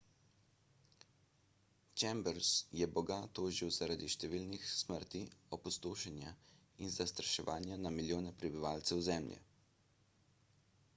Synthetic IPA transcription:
t͡ʃɛmbɛɾsjɛbɔɡat̪oːʒiwzaɾad̪iʃt̪ɛʋiːlnixsməɾt̪iɔpɔst̪oːʃɛnja | inzast̪ɾaʃɛʋaːnjanamiljoːnɛpɾɛbiʋaːlt̪sɛwzɛmljɛ̰

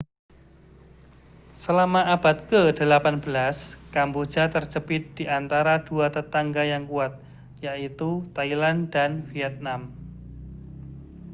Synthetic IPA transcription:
səlamaab̥at̪̚kədəlapanbəlaskambu̥d͡ʒat̪ərt͡ʃəpɪt̪̚d̥iʔant̪aɾad̥uat̪ət̪aŋɡajaŋkuat̪̚ | jaʔit̪ut̪ailandanfiɛt̪̚nam

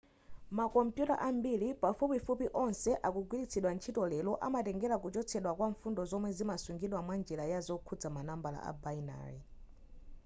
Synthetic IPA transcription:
makɔmpjuta̰ʔambilipafupifupiʔɔnsɛʔakuɡwilit͡sʰiɗwant͡ʃʰitɔlɛlɔʔa̰matɛŋɡɛɾakut͡ʃɔt͡sʰɛɗwakwaɱfundɔzɔmwɛzimasuŋɡiɗwamwand͡ʒɛlajazɔkʰud͡zamanambala̰ʔa̰baina̰ːɾi

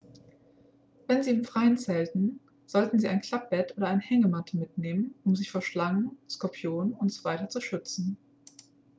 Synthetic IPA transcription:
vɛnziːɪmfʁ̥aɪənt͡sɛːltn̩ | z̥ɔltn̩ziːʔaɪnkʰl̥ap̚b̥ɛtʔoːɾɐaɪnəhɛŋəmatʰəmɪtneːmənʊmzɪçfoːɐʃlaŋənskɔɐpʰjoːnʊntz̥ov̥aɪtɐt͡suʃʏt͡sn̩

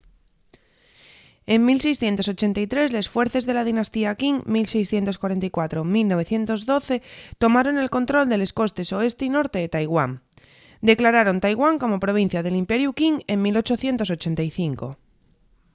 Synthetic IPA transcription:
e̞ŋmilse̞jsθje̞nt̪o̞so̞t͡ʃe̞nt̪ajt̪ɾe̞zle̞sfwe̞ɾθe̞zðe̞laðinast̪iakiŋmilse̞jsθje̞nt̪o̞skwaɾe̞nt̪ajkwat̪ɾo̞milno̞β̞e̞θje̞nt̪o̞zðo̞θe̞t̪o̞maɾo̞ne̞lko̞nt̪ɾo̞ld̪e̞le̞sko̞st̪e̞so̞e̞st̪eino̞ɾt̪e̞ðet̪ajɣwaŋ | d̪e̞klaɾaɾo̞nt̪ajɣwaŋko̞mo̞pɾo̞β̞in̟θjað̞e̞limpe̞ɾjukiŋe̞ŋmilo̞t͡ʃo̞θje̞nt̪o̞s̬o̞t͡ʃe̞nt̪ajθiŋko̞̰

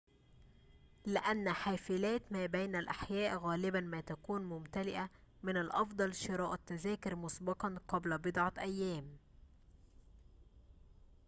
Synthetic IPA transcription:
lɪʔænːħaːfɪlæːt̪mæːbæjnælʔaħjæːʔɣæːlɪbænmæːt̪ækuːnmʊmt̪ælɪʔamɪnalʔɑfd̪ˤɑlʃɪɾˤɑːʔat̪ːæzæːkɪɾmʊsbɑqɑnqɑblbɪd̪ʕɑʔæjːæːm

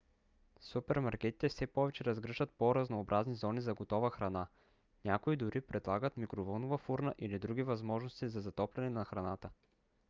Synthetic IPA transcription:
supɛɾmaɾkʲɛt̪i̥t̪ɛfsɛpɔvɛt͡ʃɛɾɐzɡɾɤʒət̪̚poɾɐznoːbɾʔaznizɔnizɐɡot̪ɔvəxɾɐna | nʲakoid̪ʊɾipɾɛd̪lˠaɡət̪mikɾovɔnovɐfuɾnəʔilid̪ɾuɡʲivɐzmɔʒnost̪izɐzɐt̪ɔplʲɛnɛnɐxɾɐnat̪ə

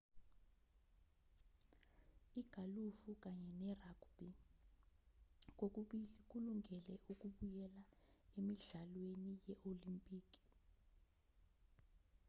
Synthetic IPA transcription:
iɡ̥ʱalufuk̬ʼaɲɛnɛrakb̥i | k̬ʼok̬ʼk̬ʼuluŋɡʱɛlɛʔuk̬ʼuɓujɛlaemiɮalwenijɛʔolimpʼiːk̬ʼi̥

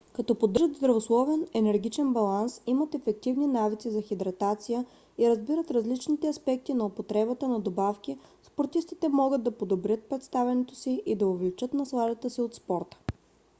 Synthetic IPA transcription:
kɐt̪ɔpod̪ːʒəd̪zd̪ɾɐvoslˠɔvɛnɛnɛɾɡ̟it͡ʃɛnbɐlˠansimət̪ɛfɛk̚t̪ivninavit̪sizɐxid̪ɾɐt̪at̪sijə | iɾɐzbiɾət̪ɾɐzlit͡ʃnit̪ɛɐspɛk̚t̪inɐopot̪ɾɛbət̪ənɐd̪obafkʲispoɾt̪ist̪it̪ɛmɔɡəd̪ːɐpod̪obɾʲət̪̚pɾɛt̪st̪avʲɛnɛt̪osiʔid̪ɐovlit͡ʃɤt̪nɐslˠad̪ət̪əsiot̪spɔɾt̪ə̥

